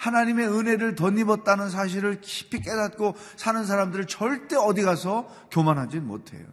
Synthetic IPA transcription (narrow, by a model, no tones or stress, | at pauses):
hanaɲime̞ɯne̞ɾɯɭtʌɲːibʌt̚t͈anɯns̬ʰaɕ̬ʰiɾɯɭki̥pʰik͈e̞dat̚k͈o | sʰanɯns̬ʰaɾamdɯɾɯɭt͡ɕʌɭt͈e̞ʌdiɡasʰʌ | kjomanɦad͡ʑinnmo̰tʰe̞̰jo̰